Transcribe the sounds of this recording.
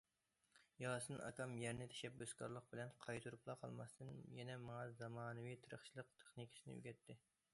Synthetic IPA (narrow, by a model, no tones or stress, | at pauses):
jɑːsɨnʔɑ̰kɑmjɛɾnɪt̪ʰɛ̥ʃɛp̚bøskʰɑ̰ɾlˠəq̚bɪlɛnqʰɑjt̪ʰuɾuplˠɑqʰɑ̰lˠmɑ̰st̪ɨnjɛnɛmɑŋɑzɑmɑːnɨwijt̪ʰɨɾə̰χt͡ʃʰilˠəq̚t̪ʰe̥χnikʲʰi̥sɨnɪ̰y̰ɡʲɛt̪ʰːɪ